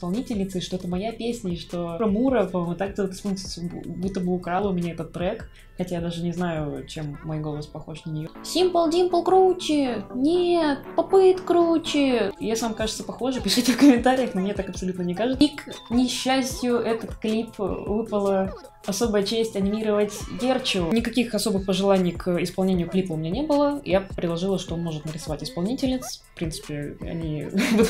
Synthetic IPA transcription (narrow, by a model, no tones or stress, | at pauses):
ɪspɐlˠnʲitʲɪlʲnʲɪt̪sɨɪʂt̪oɛt̪əmɐjapʲesʲnʲəiʂt̪o̞ɐmuɾəpɐmomʊt̪ak̚dʲelˠət̪spont̪ə̥t̪sbut̪ːəbɨʊkɾalˠʊmʲɪnʲaɛt̪ət̪ːɾɛk | xɐtʲajad̪aʐɨnʲɪznajʊt͡ɕemːojɡo̞lˠəspɐxo̞ʂnənʲɪjosʲimpəlˠdʲimpəlˠkɾut͡ɕɪnʲet̪̚pɐpɨt̪kɾut͡ɕɪjasvamkaʐɨt̪səpɐxo̞ʐɨpʲɪʂɨtʲɪfkəmʲɪnt̪aɾʲɪjəxnomnʲet̪akɐpsɐlʲut̪nənʲɪkaʐɨt̪iknʲɪɕːæsʲtʲjʊʔɛt̪ət̪klʲipvɨpəlˠə | ɐso̞bəjət͡ɕesʲtʲɐnʲɪmʲiɾəvətʲɡʲert͡ɕʊnʲɪkɐkʲixɐso̞bɨxpəʐɨlˠanʲɪjkʰɪspɐlˠnʲenʲɪjʊklʲipəumʲɪnʲenʲe̞bɨlˠə̰japɾʲɪdlˠɐʐɨlˠəʂt̪oonmo̞ʐɨt̪nəɾʲɪsɐvatʲɪspɐlˠnʲitʲɪlʲnʲɪt̪sfpɾʲint̪sɨ̥pʲɪɐ̰nʲivɨ